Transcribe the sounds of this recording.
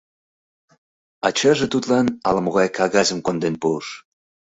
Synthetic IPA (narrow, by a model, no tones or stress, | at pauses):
ɑt͡ɕɑʒĕt̪ut̪lɑnɑ̰lə̆moɣɑjkʰɑɣɑzə̆mkond̪enpuʃ